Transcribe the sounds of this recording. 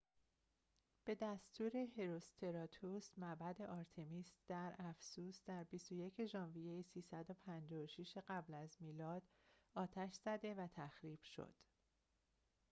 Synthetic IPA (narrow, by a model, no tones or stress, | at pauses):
b̥e̞d̪æst̪uːɾe̞he̞ɾost̪ʰe̞ɾɒːt̪ʰusmæbæd̪e̞ʔɒːɾt̪ʰe̞miːst̪d̪̥æɾæfsuːsd̪̥æɾbist̪oje̞cʰe̞ʒɒːnvijejisiːsæd̪o̞pʰænd͡ʒɒːoʃiʃeɢæblæzmiːlɒːd̪ | ɒːt̪ʰæʃz̥æd̪e̞væt̪ʰæxɾiːb̥ʃo̞̰d̪̥